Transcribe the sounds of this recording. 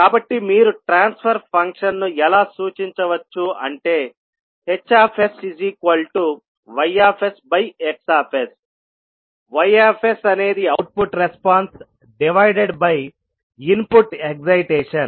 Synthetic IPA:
kaːbɐʈːimiːɾuʈɾaːnspʰɐɾpʰɐŋkʂɐnnuɛlaːsuːt͡ʃiɲt͡ʃɐʋɐt͡ʃːuɐ̰ɳʈe̞ː | het͡ʃːaːpʰesiziːkʋɐlʈu | ʋɐjaːpʰesbɐjeksaːpʰes | ʋɐjaːpʰesɐne̞ːd̪iɐwʈ̚puʈɾespaːns | ɖiʋɐjɖeɖbɐj | inpuʈekzɐjʈeːʂɐn

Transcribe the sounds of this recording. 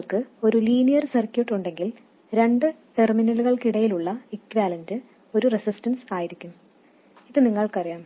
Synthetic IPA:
ɭkɨo̞ɾuliːnijɐrsɐrkʲjuʈːuɳɖe̞ŋɡil | ɾe̞ɳɖɨʈe̞rminɐluɣɐɭkiɽɐjiluɭːɐikːʋaːlɐndɨ | o̞ɾuresistɐnsaːjiɾikʲːum | iðɨniŋːɐɭkɨɐrijaːm

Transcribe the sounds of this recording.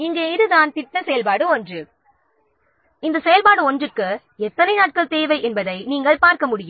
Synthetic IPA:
ɪŋɡeːɪðɯðaːnt̪ɪʈːɐsɛjɐlpaːɽɯɔndrɯ | ɪnd̪ɐsɛjɐlpaːɽɯɔndrɯkːɯ | ɛt̪ːɐnɐɪnaːʈ̚kɐɭt̪eːʋɐɪʔɛnbɐðɐɪniːŋɡɐɭpaːɾkɐmʊɽɪjɯm

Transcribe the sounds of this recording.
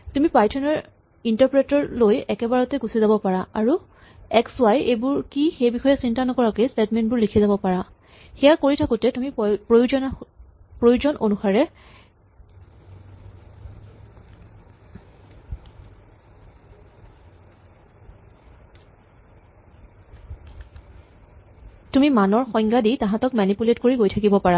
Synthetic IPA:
tumipajtʰɔnɔɹ | intɔɹpɹetɔɹlojɛkɛbaɹɔtɛɡusizabɔpaɹaʔaɹu | ɛkswajejbʊɹkixejbixɔjɛsintanɔkɔɹakestɛtmɛntbʊɹlikʰizabɔpaɹa | xɛjakoɹitʰakʊtɛtumipɹojud͡ʒɔnpɹojuzɔnʔonuxaɹɛ | tumimanɔɹxɔjŋɡaditãɦãtɔk̚manipuletkoɹiɡojtʰakibɔpaɹa

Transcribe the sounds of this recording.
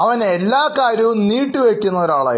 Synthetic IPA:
ɐʋɐnelːaːkaːɾjɐʋumniːʈːɨʋekʲːunːɐoɾaːɭa̰ːj

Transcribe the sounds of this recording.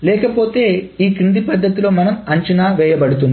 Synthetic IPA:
lɛːkɐpo̞ːt̪e̞ːiːkind̪ipɐd̪ːɐt̪ilo̞ːmɐnɐmɐɲt͡ʃɐnaːʋɛːjɐbɐɽut̪̬und̪i

